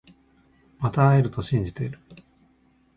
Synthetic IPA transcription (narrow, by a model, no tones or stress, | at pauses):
mat̪aːeɾɯ̟t̪o̞ɕĩɲ̟d͡ʑit̪e̞iɾɯ̟